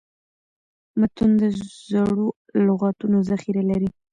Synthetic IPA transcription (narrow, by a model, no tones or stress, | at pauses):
mat̪und̪əzaɽo | lʊɣɑt̪unozaxiɾalaɾi